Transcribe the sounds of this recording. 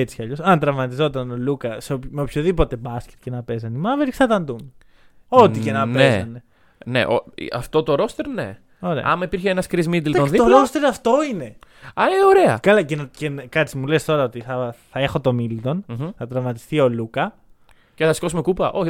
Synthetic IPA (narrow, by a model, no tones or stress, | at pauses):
et͡si̥çɐʎo̞sɐnt̪ɾɐvmɐt̪izo̞t̪ɐno̞lukɐseopmeopçoðipo̞t̪e̞bɐscet̪ce̞nɐpe̞zɐnimɐveɾiksθɐt̪ɐnd̪um | o̞t̪ice̞nɐpezɐne | nḛʔo̰ɐ̰ft̪o̞t̪oɾo̞st̪eɾne̞̰ | o̞ɾeɐɐ̰mɐipiɾçeenɐskɾizmid̪elɐoðit̪oɾost̪eɾɐft̪o̞ine̞ɐeoɾeɐ̰kɐlɐcencenkɐt͡simulest̪o̞ɾɐot̪iθɐθɐe̞xo̞t̪o̞milt̪o̞nθɐt̪ɾɐvmɐt̪i̥st̪io̞lukɐ | ceθɐskosume̞kupɐʔoç